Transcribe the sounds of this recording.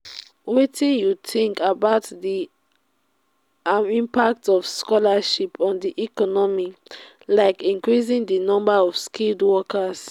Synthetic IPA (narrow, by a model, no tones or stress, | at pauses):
witĩnjutʰĩŋkabaʊtdi | amĩmpak̚tɔfskɔlaʃipɔ̃ndiʔikɔnɔmi | laɪkĩŋkɹis̬ĩŋdinɔ̃mbaɔvskildwɔkʰas